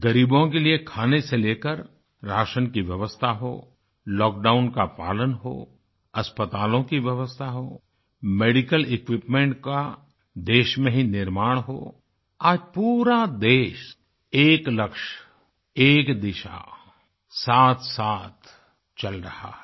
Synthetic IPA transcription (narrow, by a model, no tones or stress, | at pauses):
ɡɐɾiːbõkeliekʰaːneseleːkəɾ | ɾaːʃənkiʋjɐʋəst̪ʰaɦo̰ː | lɔːk̚ɖaːʊnkapa̰ːlənɦo̰ː | ɐspət̪aːlõkiʋjɐʋəst̪ʰaɦoː | meːɖɪkəlɪkʋɪpmẽɳʈka | d̪eːʃmẽɦinɪɾmaːɽ̃ɦo̰ː | aːd͡ʒpuːɾad̪eːʃ | eːklɐkʃ | eːkd̪ɪʃa̰ | saːt̪ʰsaːt̪ʰ | t͡ʃɐlɾɐha̰